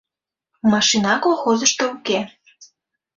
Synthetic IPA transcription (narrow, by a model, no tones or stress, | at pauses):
mɑʃinɑkolxozəʃt̪ouke